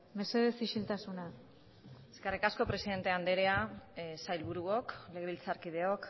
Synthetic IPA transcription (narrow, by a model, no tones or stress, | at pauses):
me̞se̞ð̞esisilt̪asuna | e̞skerikasko̞pɾe̞siðe̞nt̪e̞and̪e̞ɾeasajlβuɾuokle̞ɣeilt͡saɾkið̞e̞o̞k